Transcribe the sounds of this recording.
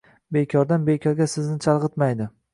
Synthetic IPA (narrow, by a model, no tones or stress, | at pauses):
bekʲʰɒɾd̪anbekʲʰɒɾɡʲasɪznɪt͡ʃʰalˠʁɨt̪majd̪ɪ